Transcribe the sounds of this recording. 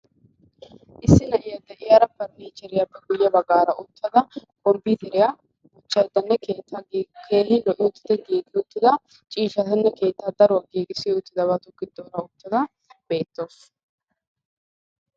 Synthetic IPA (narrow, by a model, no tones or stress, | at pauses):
ʔɪsːɪnɐʔɪjɐd̪ɛʔɪjɐɾɐpɐɾniːt͡ʃɛɾɪjɐbɛɡʊjːɐbɐɡaːɾɐʔʊt̪ːɐd̪ɐkʼɔmbiːt̪ɛɾɪja | ʊt͡ʃːɐjd̪ɐnːɛkeːt̪ːaːɡkʰe̞ːhɪlɔʔɪʊt̪ːɪ̥d̪ɛɡiːɡɪʊt̪ːɪd̪ɐ | t͡ʃʼiːʃɐt̪ɐnːɛke̞ːt̪ːaːd̪ɐɾʊwɐɡiːɡɪsɪʊt̪ːɪd̪ɐβɐt̪ʊɡɪd̪ːoːɾɐʊt̪ːɐd̪ɐ | b̥e̞ːt̪ːoːs